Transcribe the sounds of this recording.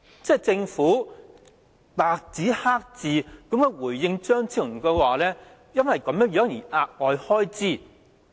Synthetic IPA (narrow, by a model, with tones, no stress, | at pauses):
t͡sɛː˥˩t͡sɪ˧ŋfuː˨˥ | t̪aː˨k̚t͡siː˨˥haː˥k̚t͡siː˨˧kɐ˨˥mkɔː˨˧wuː˨˩jjɪ˧ŋt͡ʃœː˥ŋt͡sʰiː˨˩ŋ˨kɛ˧waː˨lɛː˥ | jɐ˥nwɐ˨jkɐ˨˦mjœː˨˥ŋjœː˨˥ŋjiː˨˩ʔaː˧t̚ŋɔː˨˧jhɔː˥jt͡siː˥˩